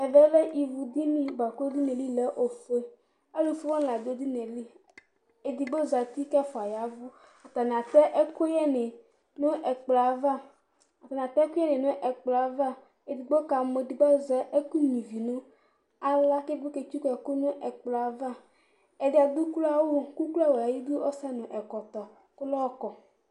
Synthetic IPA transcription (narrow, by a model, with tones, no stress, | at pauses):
e˨vɛ˦le˦ʔi˨vu˨d̪i˦nĩ˦ba˨ko˦d̪i˦ne˨li˦le˦ʔo˨fe˦ | e˦lo˨fi˦wa˦n˨la˨d̪o˦d̪i˦ne˨li˦ | e˨d̪i˨ɡ͡bo˦za˨t̪i˦kɛ˦fɔ˨a˨ja˨vu˦ | a˨t̪a˨n˨ã˨t̪ɛ˦ʔe˦ko˦jɛ˦ne˨ | nõ˦ʔe˨k͡pla˨va˦ | a˨ta˨n˨a˨t̪ɛ˦kʊ˦jɛ˦nɪ˨nʊ̃˦ʔɛ˨k͡pla˨˦va˦ | e˨d̪i˨ɡ͡bo˦ka˨mo˨di˨ɡ͡bɔ˦zɛ˦ʔe˦ku˦nĩ˨vi˨nʊ̃˦ | a˦la˦ke˦bo˦ke˨t͡ʃu˦kɛ˨ko˦nʊ̃˦ʔɛ˨k͡pla˨˦va˦ | ɛ˨dɪ˦a˨d̪u˦ku˦la˦wo˦ku˦kla˦wo˨a˨ji˦d̪u˦ʔɔ˦sa˦nʊ̃˨ʔɛ˨kɔ˨t̪ɔ˨ | kʊ˦lɔ˦kɔ˨